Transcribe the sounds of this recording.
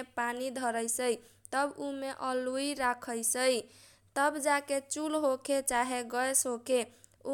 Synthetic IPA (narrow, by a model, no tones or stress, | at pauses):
panid̪ʱəɾəjsəj | t̪əbumeʔəluiɾakʰəjsəj | t̪əbd͡ʒaket͡ʃulɦokʰet͡ʃaɦeɡəjsɦokʰe | u